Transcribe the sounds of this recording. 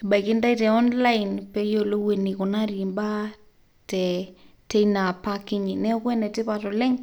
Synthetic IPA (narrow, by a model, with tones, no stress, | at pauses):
e˨ɓa˨i˨ki˦nda˦itɛ˨ɔ˦nla˦inpɛ˦jo˦lo˦we˨ni˨kɔ˨na˦ɾi˨mba˦ | tɛ˨te˦ina˨pa˦kɪ˦ɲi˨nɛ˦kwɛ˦nɛ˨tɪ˦patɔ˨lɛ˦ŋ